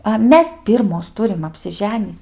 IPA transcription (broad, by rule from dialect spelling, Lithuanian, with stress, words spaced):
ɐ ˈmʲɛs ˈpʲɪrmoːs ˈtʊrʲɪm ɐpʲsʲɪˈʒʲæːnʲiːt͡sʲ